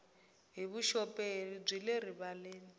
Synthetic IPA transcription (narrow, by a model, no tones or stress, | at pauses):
ɦiβuʃɔpʼeib͡ʐileriβaleːni